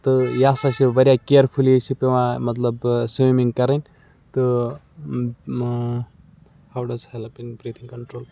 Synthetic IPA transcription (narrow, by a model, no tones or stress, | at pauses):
t̪ɨjaːsɐksibɐɾijakeəɾpʰulisipeʋãmɐt̪ləbsemiŋɡkɐɾənʲ | t̪ɨ | hawɖɐzhelpiŋbɾiːt̪ʰĩŋkɐɳʈɾoːl